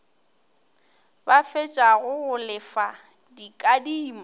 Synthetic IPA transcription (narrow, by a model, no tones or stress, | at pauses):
bafet͡ʃʼaɣʊɣʊlɪfa | dikʼadiːma